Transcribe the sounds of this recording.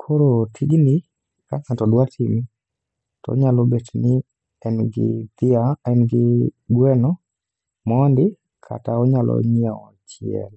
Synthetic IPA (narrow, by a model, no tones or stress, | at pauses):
kʰoɾotʰiɡni | kakatɔdwatʰimi | tɔ̰ɲalɔbetnɪ | ɛnɡɪ̰d̪̥ɪaɛnɡɪɡwɛnɔ | mɔndɪ | kʰa̰taɔɲalʔɔ̰ɲɛɔt͡ʃɪɛ̰l